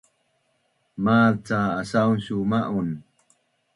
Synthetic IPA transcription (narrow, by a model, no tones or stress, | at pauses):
maːlt͡saːsawnɕumaʔun